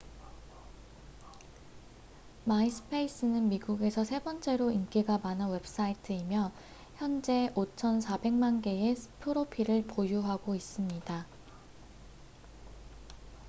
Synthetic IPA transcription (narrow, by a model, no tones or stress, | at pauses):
maisʰɯ̥pʰe̞is͈ɯnɯnmiɡuɡe̞sʰʌsʰe̞bʌnt͡ɕ͈e̞ɾoink͈iɡamananwe̞ps͈aitʰɯimjʌ | çjʌnd͡ʑe̞ʔot͡ɕʰʌnsʰabe̞ŋmanɡe̞esʰɯ̥pʰɯɾopʰiɾɯɭpojuɦaɡois͈ɯmɲida